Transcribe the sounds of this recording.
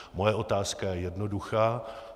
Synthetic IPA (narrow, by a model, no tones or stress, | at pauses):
mo̞jɛʔo̞t̪aːskajɛjɛdno̞duxaː